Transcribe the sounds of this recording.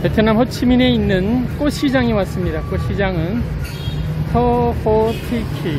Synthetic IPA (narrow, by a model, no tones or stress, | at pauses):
petʰɯnamhʰʌt͡ɕʰimine̞inːɯnk͈oɕʰid͡ʑaŋiwats͈ɯmɲidakoɕʰid͡ʑaŋɯn | tʰʌhotʰikʰi